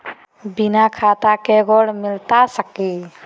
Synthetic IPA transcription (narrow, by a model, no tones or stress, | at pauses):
binakʰat̪akeɡɔɽmilt̪asəki